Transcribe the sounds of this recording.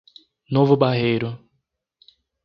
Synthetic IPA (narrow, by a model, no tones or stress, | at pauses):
novʊbaɦejɾʊ